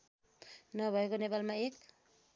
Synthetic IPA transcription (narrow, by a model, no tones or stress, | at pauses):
nʌbʱʌekonepalmaek̚